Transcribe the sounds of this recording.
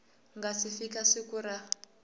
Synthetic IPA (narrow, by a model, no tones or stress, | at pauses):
ŋɡasifikasikuɾa